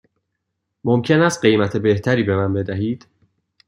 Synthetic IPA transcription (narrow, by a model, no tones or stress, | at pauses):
momcʰe̞næst̪̚ɢe̞jmæt̪ʰe̞be̞ht̪ʰæɾiːbe̞mænbe̞d̪æɦiːd̪̥